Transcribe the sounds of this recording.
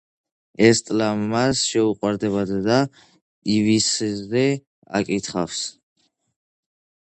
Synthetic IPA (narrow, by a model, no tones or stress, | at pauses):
ɛst̪ʼlamasʃɛuqʼwaɾd̪ɛbad̪d̪a | ivisːɛ | a̰kʼit̪ʰχafs